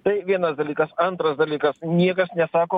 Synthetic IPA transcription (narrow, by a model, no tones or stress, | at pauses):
t̪ɐɪʋʲiɛnɐsd̪ɐlʲiːkɐsɐnt̪ɾɐsd̪ɐlʲiːkɐsnʲiɛkɐsnʲɛsɑːkoː